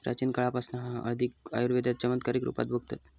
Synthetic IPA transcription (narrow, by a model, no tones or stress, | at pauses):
ɾʔa̰t͡ɕinkəɭapasnaɦãʔəd̪ʱik̚a̰juɾʋed̪jat̪̚t͡ɕəmənt̪kaɾikɾṵpa̰t̪̚bʱuɡ̚t̪at̪